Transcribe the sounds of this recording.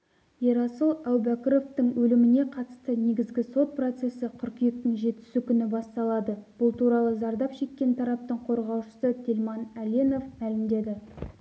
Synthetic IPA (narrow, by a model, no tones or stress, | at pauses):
jeɾɑsəlˠæwbækʲɪɾo̞ft̪əɴwɵlɪmɪne̞qʰɑt̪ə̥st̪əne̞ɡʲɪzɡʲɪso̞t̪̚pro̞t̪se̞sɪqʲʰʏɾkʲijek̚t̪ɪŋʒe̞t̪ɪ̥sɪkʲʰʏnɪbɑst̪ɑlˠɑd̪əb̥ʊlˠt̪ʰuɾɑlˠəzɑɾd̪ɑpʃe̞t̪̚kʲe̞nt̪ʰɑɾɑp̚t̪əɴqʰo̞ɾʁɑwʃə̥sət̪ʲʰe̞lʲmɑnælʲeno̞fmælɪmd̪e̞d̪ɪ